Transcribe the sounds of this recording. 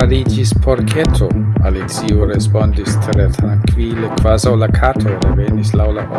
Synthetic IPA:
aɾid͡ʒispʰoɾkʰetʰoalit͡siuɾespondistʰeɾet̪ʰɾaŋkvilekvazawlakʰatʰoɾevenislawlaʔo

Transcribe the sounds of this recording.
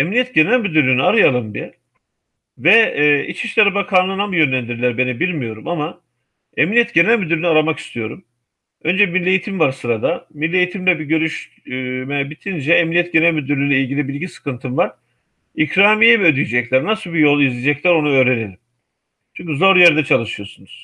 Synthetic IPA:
emnijɛt̪ɟe̞nælʲmyd̪yɾlʲyːniaɾɯjalˠɯmbi | vɛḭt͡ʃʰiʃlʲeɾibakʰanˠɯnamɯjø̞nlʲænd̪iɾlʲæɾbe̞nibilʲmijo̞ɾumama | emnʲijɛt̪̚ɟe̞nælʲmyd̪yɾynyaɾamaki̥st̪ʰijo̞ɾum | ø̞nd͡ʒɛmilʲːejit̪ʰimvaɾsɯɾad̪amilʲːe̞jit̪ʰimlʲɛbiɟø̞ɾyʃ | mɛbit̪ʰind͡ʒɛemnijɛt̪̚ɟe̞nælʲmød̪yɾylʲyjlʲɛilʲɟilʲibilʲɟisɯ̥kʰɯnt̪ʰɯnvaɾ̥ | icʰɾaːmijɛmiød̪yjid͡ʒɛclʲæɾnasɯlˠbijolˠizlʲid͡ʒɛclʲæɾo̞nuøːɾe̞nelʲim | t͡ʃʰyɲʲcyzoɾujɛɾd̪ɛt͡ʃʰalˠɯʃɯjo̞sunuz̥

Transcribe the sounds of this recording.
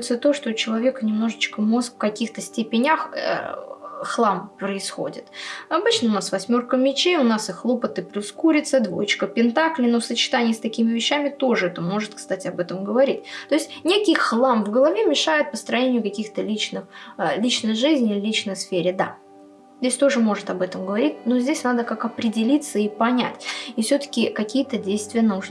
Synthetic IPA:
t̪sət̪oʂt̪oʊt͡ɕɪlˠɐvʲe̞kənʲɪmno̞ʐɨt͡ɕkəmo̞skfkɐkʲixt̪əsʲtʲepʲɪnʲax | xlˠampɾəɪsxo̞̰dʲɪ̰t̪ɐbɨt͡ɕnəʊnasvɐsʲmʲo̞rkəmʲɪt͡ɕeʊnasɨxlˠopət̪ɨplʲuskuɾʲɪt̪səd̪vo̰jɪt͡ɕkəpʲɪnt̪aklʲɪnosət͡ɕɪ̥t̪anʲɪjst̪ɐkʲimʲɪvʲɪɕːæmʲɪt̪o̞ʐɨɛt̪əmo̞ʐɨt̪̚kst̪atʲɪɐbɛt̪əmɡəvɐɾʲitʲt̪o̞ɪsʲtʲnʲekʲɪjxlˠamvɡəlˠɐvʲemʲɪʂajɪt̪̚pəst̪ɾɐnʲenʲɪjʊkɐkʲixt̪əlʲit͡ɕnɨxlʲit͡ɕnəjʐɨzʲnʲɪlʲit͡ɕnəjsfʲeɾʲɪd̪a̰ | zʲdʲesʲt̪o̞ʐɨmo̞ʐɨt̪ɐbɛt̪əmɡəvɐɾʲitʲnozʲdʲesʲnad̪əkakɐpɾʲɪdʲɪlʲit̪səipɐnʲæ̰tʲifsʲot̪ə̥kʲɪkɐkʲijət̪ədʲejst̪vʲɪjənuʐn

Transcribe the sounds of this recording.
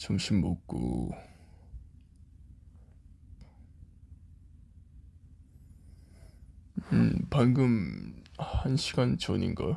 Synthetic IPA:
t͡ɕomɕʰimːok̚k͈o̰ | panɡɯm | hanɕʰiɡ̥ant͡ɕʌnḭnɡʌ̰

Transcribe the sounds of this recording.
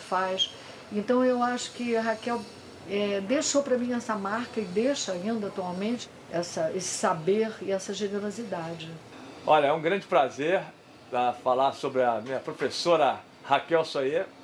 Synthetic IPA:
fajʃ | ẽt̪ɐ̃w̃ewaʃʊ̥kɪɦakɛw | ɛd̪eʃopɾɐmĩɛsɐmaɾkɐɪd̪ejʃɐaĩnd̪ɐat̪uawmẽnt͡ʃɪ̥ | ɛsɐesɪ̥sabeɾɪɛsɐʒeneɾozid̪ad͡ʒɪɔʎɐɛũɡɾɐ̃d͡ʒɪpɾazeɾ | ɐfalaɾsobɾɪɐmĩɲɐpɾofesoɾɐ | hakɛwsoe

